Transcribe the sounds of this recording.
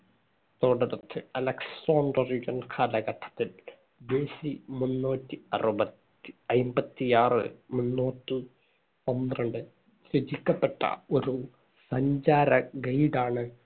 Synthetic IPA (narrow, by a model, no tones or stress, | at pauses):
t̪oːɽɐɾɐt̪ʰːɨɐlɐksoːɳɖɐriɡɐnkʰaːlɐɡɐʈʰːɐ̥t̪ːil | beːsimunːuːtːiɐ̰rubɐt̪ːi̥ɐjmbɐt̪ːijaːrɨ̰munːuːtːi | pond̪rɐɳɖɨ | ɕɾed͡ʑikʲːɐpːeʈːɐ̰o̞ɾu | sɐɲd͡ʑaːɾɐɡɐjɖaːɳɨ